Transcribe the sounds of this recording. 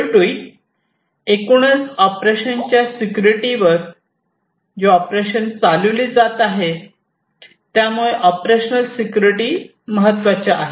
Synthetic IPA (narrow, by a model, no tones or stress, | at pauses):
ɾɖui | ekuɳ̃ət͡sɔpɾeɕənt͡ɕjasikjuɾiʈiʋəɾ | d͡ʑoɔpɾeɕənt͡saləʋliːd͡zat̪aɦe | t̪jamuɭeʔɔpɾeɕnəlsikjuɾiʈi | məɦət̪ːʋat͡ɕaːɦe